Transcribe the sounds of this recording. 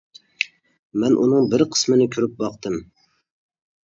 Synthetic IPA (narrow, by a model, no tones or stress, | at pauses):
mɛnʔunɨŋbɪɾqʰə̥smɨnɪkʲʰyɾyp̚bɑqt̪ɨm